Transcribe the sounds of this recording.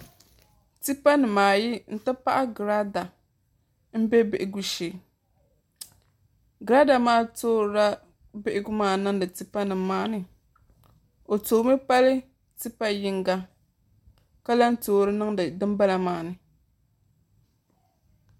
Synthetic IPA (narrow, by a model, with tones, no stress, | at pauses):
ti˦pa˦nɨ˨maː˨ji˦n̩˦˨ta˦pa˦ʔa˦ɡɾa˦da˨ | m̩˦bɛ˦bɪ˨ʔɪ˨ɡu˦ʃe˨ | ɡɾa˦da˨maː˦toː˦ɾɾa˦ | bɪ˦ʔɪ˦ɡu˦maː˦˨nɨ˦ŋdɨ˨ti˦pa˦nɨ˨maː˦nɨ˨ | o˨toː˨˦mɨ˦pa˦lɨ˦ | ti˦pa˦ji˦ŋɡa˦ | ka˦la˦ntoː˨˦ɾɨ˦nɨ˦ŋ˨dɨ˦mba˦la˨maː˨nɨ˨